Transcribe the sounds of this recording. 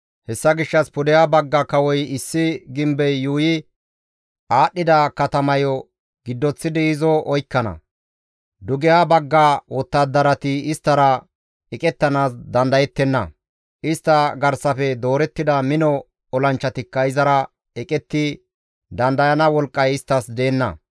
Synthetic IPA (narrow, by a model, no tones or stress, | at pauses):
hɛsːɐɡɪʃːɐspʊd̪ɛjaːbɐɡːakɐwɔjɪsːɪɡɪmbɛjːuːjɪ | aːɗːɪd̪ɐkɐt̪ɐmɐjɔ | ɡɪd̪ːɔt͡sːɪd̪ɪɪzɔʔɔjkːɐnɐ̰ | d̪ʊɡɛjaːbɐɡːawɔt̪ːad̪ːɐɾɐt̪ɪɪst̪ːɐɾɐ | ɛkʼɛt̪ːɐnaːs̬d̪ɐnd̪ɐjɛt̪ːɛnːɐ̰ | ʔɪst̪ːɐɡɐɾsɐfɛd̪o̞ːɾɛt̪ːɪd̪ɐmɪnɔ | ɔlɐnt͡ʃːɐt̪ɪkːɐɪzɐɾɐ | ɛkʼɛt̪ːɪ | d̪ɐnd̪ɐjɐnɐwɔlkʼːɐjɪst̪ːɐsd̪eːnːɐ̰